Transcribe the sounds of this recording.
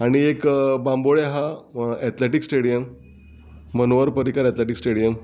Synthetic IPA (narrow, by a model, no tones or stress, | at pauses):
aɽ̃iekbãmboɭeɦaɛt̪leʈiksʈeɽijəmː | ənoʋəɾpəɾikaɾɛt̪leʈiksʈeɽijəm